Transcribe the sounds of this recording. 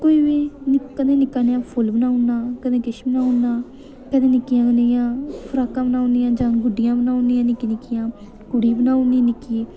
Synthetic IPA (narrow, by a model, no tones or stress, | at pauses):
koːiːʋeːnkəd̪ẽːnɪkaːnejãːpʰʊlbənaːʊnãːkəd̪ẽːkɪʃbənaːʊnãː | kəd̪ẽːnɪkɪjãːkənejãːpʰəɾaːkãːbənaːʊnd̪ɪjãːd͡ʒãːɡʊɖɪjãːbənaːʊnd̪ɪjãːnɪkinɪkɪjãː | kʊɽiːbənaːʊniːnɪkiː